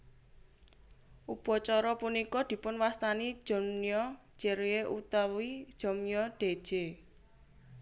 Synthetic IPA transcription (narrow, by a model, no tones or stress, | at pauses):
ʔub̥ɔ̤t͡ʃɔɾɔpunikɔd̪̥i̤pʊnwast̪ani̥d͡ʒ̥ɔ̤miɔ̥ | d͡ʒ̥ɛɾeʔut̪awid̥ʒ̥ɔ̤mijɔd̪̥e̤̥ʒ̥e